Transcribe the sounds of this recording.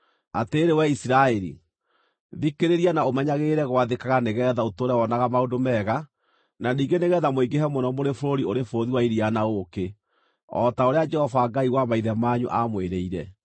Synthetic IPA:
ateːɾewɛisiɾaɛɾḭ | ðikeɾeɾianaomɛɲaɣeɾɛɣwaðekaɣaneɣɛðaotoːɾɛwɔnaɣamaodomɛɣa | naniːŋɡeneɣɛðamoiɡeɦɛmwɔnɔmoɾefoɾoɾioɾefoɾoðiwaiɾianaoke | ɔ̰taoɾead͡ʒɛhɔvaːɡaiwamaiðɛmaːɲṵʔamweɾeiɾɛ

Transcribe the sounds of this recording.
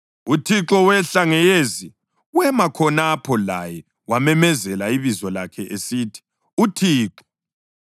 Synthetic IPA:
utʰiǁɔwɛɬaŋɛjezi | wɛmakʰɔnapʰɔlajɛ | wamɛmɛzɛlaiβizɔlakʰɛʔesiːtʰi̥ | utʰiːǁɔ̥

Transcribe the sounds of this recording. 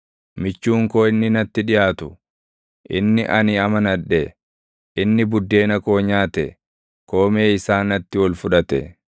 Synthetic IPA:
mɪt͡ʃːuːŋko̞ːɪnːɪnɐt̪ːɪᶑɪjaːt̪ʊ | ʔɪ̰nːɪʔɐnɪɐmɐnɐᶑːɛ | ʔɪnːɪbʊd̪ːe̞ːnɐko̞ːɲaːt̪ɛ | ko̞ːme̞ːɪsaːnɐt̪ːɪwɔlfʊᶑɐt̪ɛ̰

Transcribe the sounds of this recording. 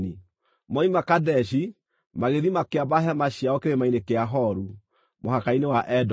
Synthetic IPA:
i | mɔimakadɛɕi | maɣeðimakeabaɦɛmaɕiaɔkeɾemainekeaɦɔɾu | mohakainewaʔɛd

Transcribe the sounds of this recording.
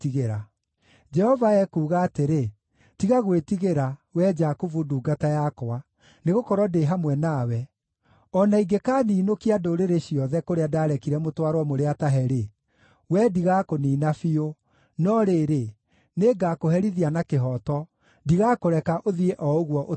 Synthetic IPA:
tiɣeɾa | d͡ʒɛhɔvaɛkuːɣaːteɾe | tiɣaɣwetiɣeɾawɛd͡ʒakovuduːɡatajakɔa | neɣokɔɾwɔdeɦamwɛnawɛ | ɔnaiɡekaːniːnokiadoɾeɾeɕjɔðɛkoɾeadaːɾɛkiɾɛmotwaɾwɔmoɾeataɦɛɾe | wɛdiɣakoniːnafio | nɔɾeːɾe | neːɡakoɦɛɾiðianakeɦɔtɔ | diɣakoɾɛkaʔoðieʔɔoɣwɔʔo

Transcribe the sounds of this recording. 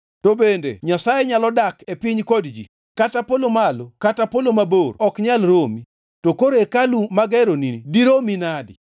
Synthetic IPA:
tobendḛɲasajeɲalɔdakepiɲkodd͡ʒḭ | katapolomalokatapolomaboɾɔkɲalɾomi | tokoɾekalumaɡɛɾonidiɾominadɪ̰

